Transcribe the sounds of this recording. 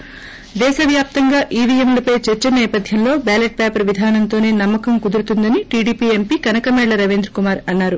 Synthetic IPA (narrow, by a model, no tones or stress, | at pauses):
d̪ɛːʃɐʋjaːp̚t̪ɐŋɡaːʔiːʋiemlɐpɐjt͡ʃɛɾt͡ʃɐnɛːpɐd̪ʱjɐmlo̞ːbaːleʈ̚pɛːpɐɾʋid̪ʱaːnɐnt̪o̞ːne̞ːnɐmːɐkɐmkud̪uɾut̪und̪ɐniʈiːɽiːpiːempiːkɐnɐkɐmɛːɭɐɾɐʋend̪ɾɐkumaːɾɐnːaːɾu